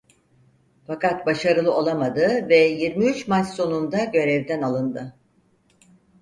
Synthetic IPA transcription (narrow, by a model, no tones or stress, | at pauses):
fakat̪̚baʃaɾɯlˠɯo̞lˠamad̪ɯvɛjiɾmiyt͡ʃmat͡ʃso̞nund̪aɟø̞ɾɛvd̪ɛnalˠɯnd̪ɯ